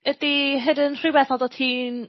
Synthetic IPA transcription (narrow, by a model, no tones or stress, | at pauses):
ədiɦɛdənr̥iwɛθɔlˠdɔtʰiːn